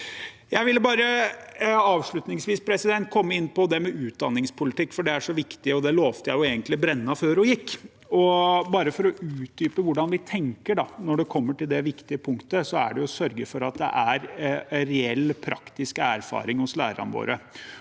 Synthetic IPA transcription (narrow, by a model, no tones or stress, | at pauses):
jæɪʋɪlːəbɑːɾə | ɑːʋʂɭʉt̪nɪŋsʋiːspʰɾɛsɪd̪ɛnt̪̚kʰɔmːəɪnːpɔd̪ɛmɛʔʉːt̪̚d̪ɑnːɪŋspʰʊlɪt̪ɪkːfɔɖɛæʂɔʋɪkt̪ɪɔd̪ɛloːʋt̪əjæɪʊeːɡənt̪lɪbɾɛnːɑføːɾɔjɪkː | ɔbɑːɾəfɔɾɔʔʉːt̪̚d̪yːpəʋʊɖɑnʋɪt̪ʰɛŋkəɖɑnɔɖɛkʰɔmːəʈɪld̪ɛʋɪkt̪ɪəpʰʊŋkt̪əsɔæ̰ɖɛjʊsœɾɡəfɔɾɑt̪̚d̪ɛ̰ʔæɾɾɛɛlːpʰɾɑ̰kt̪ɪskæɾfɑ̰ːɾɪŋhʊslæːɾɑ̰nʋo̰ːɾə